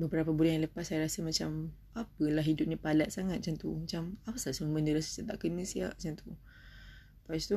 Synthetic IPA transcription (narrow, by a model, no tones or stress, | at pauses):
bəbəɾapəbulanjãŋləpasːajaɾasəmat͡ʃam | apəlaɦidʊp̚nipalat̪̚saŋat̪̚at͡ʃant̪umat͡ʃamapəsasəmuməndəɾasəsiat̪aʔkənəsia̰ʔat͡ʃant̪u | past̪u